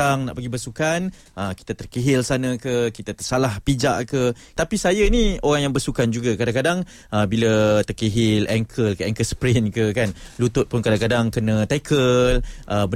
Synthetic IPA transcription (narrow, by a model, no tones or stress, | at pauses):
aŋna̰ʔpəɡibəsukan | əki̥t̪at̪ərkiɦɪlsanəkəkit̪at̪ərsalahpid͡ʒa̰ʔkə | t̪apisajənioɾaŋjaŋbəsukand͡ʒuɡakadaŋkadaŋ | əbilət̪ərkiɦɪlɛŋkʰəlkəɛŋkəlspɾɪnkəkanlut̪ʊt̪̚pʊnkadaŋkadaŋkənə̃t̪ajkʰəlʔəbə